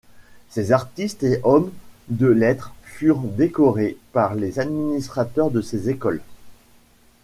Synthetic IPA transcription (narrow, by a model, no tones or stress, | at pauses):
sezaʁt̪ist̪eʔɔmd̪əlɛt̪χfyʁd̪ekɔʁepaʁlezad̪minist̪χat̪œʁd̪əsezekɔl